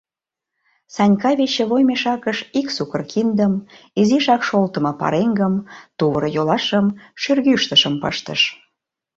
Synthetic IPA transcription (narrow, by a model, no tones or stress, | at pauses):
sɑnʲkɑβet͡ɕːĕβojmeʃɑkəʃiksukərkʰind̪əm | iziʃɑkʃolt̪əmɤ̆pɑ̰ɾeŋɡəmt̪uβəɾjolɑʃəmʃyrɣyʃt̪əʃəmpə̰ʃt̪ə̰ʃ